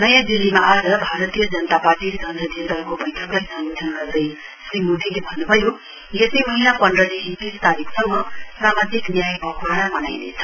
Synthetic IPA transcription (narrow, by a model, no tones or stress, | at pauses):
nʌjãd̪ilːimaʔad͡zʌbʱaɾʌt̪ijʌd͡zʌnʌt̪apaɾʈid͡zʌnd̪ʱʌd̪it̪ʌɾkobʌjtʰʌklajsʌŋuanɡʌrd̪ʌj | srimud̪ʱilebʱʌnːubʱʌjo | jesimʌɦinapʌnrʌd̪iɦit̪ist̪aɾikʰsʌŋːʌsɾamat̪iknjajpʌkuɽanamʌna̰jnḛt͡sʰʌ̥